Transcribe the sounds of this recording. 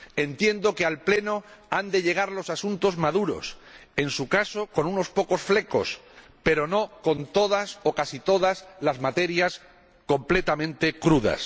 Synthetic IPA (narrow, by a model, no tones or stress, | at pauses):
e̞nt̪je̞nd̪o̞kealple̞noand̪e̞ʎe̞ɣ̞aɾlo̞sasunt̪o̞zmaðuɾo̰se̞nsukaso̞ko̞nuno̞spo̞ko̞sfle̞ko̞s | pe̞ɾo̞no̞ko̞nt̪o̞ð̞aso̞kasit̪o̞ðazlazmat̪e̞ɾjas | ko̞mple̞t̪amẽnt̪e̞kɾuða̰s